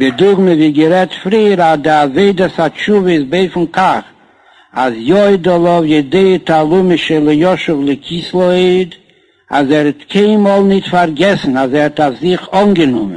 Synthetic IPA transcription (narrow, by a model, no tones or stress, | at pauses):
bɪdʊɡməviːɡəɾɛtfɾiːəɾazdɪaveɪdəsat͡ʃuvəɪsbeɪfn̩kʰaχ | azjɔɪdɔlˠɔvjɪdeɪətalˠumɪʃəlˠɪjɔʃʊvlˠɪkʰislˠɔeɪd | a̰zɛɾɛtkʰeɪnmɔlˠnɪtfaɾɡɛsn̩azɛɾɛtafzɪχɔnɡənʊ̰mən